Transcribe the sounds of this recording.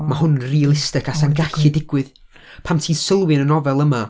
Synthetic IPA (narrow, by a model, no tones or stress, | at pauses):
mahʊnrilˠɪstɪkʰasanɡaɬɨdɪɡwɨð | pʰamtʰiːsəlˠwɨnənɔvɛlˠəma